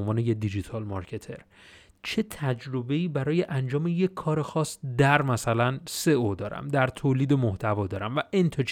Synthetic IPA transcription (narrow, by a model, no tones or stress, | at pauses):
nvɒːnejed̪id͡ʒit̪ʰɒlmɒɾcʰe̞t̪ʰe̞ɾ | t͡ʃʰe̞t̪ʰæd͡ʒɾo̞be̞iːbæɾɒːje̞ʔænd͡ʒɒːme̞je̞kʰːɒːɾe̞xɒːsd̪æɾmæsælænse̞od̪ɒːɾæ̰md̪æɾt̪ʰoːliːd̪emoht̪ʰævɒːd̪ɒːɾæmvæʔent̪ʰot͡ʃ